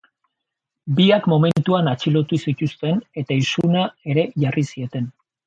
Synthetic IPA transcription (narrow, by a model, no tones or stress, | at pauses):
biakmo̞me̞nt̪uanat͡ʃilo̞t̪usit̪ust̪e̞ne̞t̪aisunae̞ɾe̞ʝarisie̞t̪e̞n